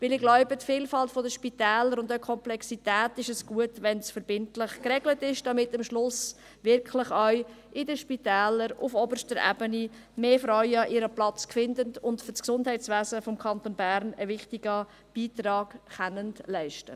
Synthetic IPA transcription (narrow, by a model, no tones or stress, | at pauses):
ʋɪlɪɡlɔʊbətfiːlfɑltfɔdəʃpitɛːləɾʊndəkʰɔmplɛksitɛːtɪʃəsɡ̥uətʋɛnsfəɾbɪntlɪχkrɛɡlətɪʃd̥ɑmɪtəmʃlʊs | vɪɾkχlɪχœɥ | ʔɪdəʃpitæːləɾʊfɔbərʃtəɾæ̰bəni | meːfɾœʏɑʔɪɾəplɑt͡skfɪndəndʊntfʏrsksʊndhɛɪtsʋæːzəfɔmkʰɑntonbæɾnəvɪχtiɡ̥ə | b̥iːtrɑːɡχɛnəntlæɪʃtə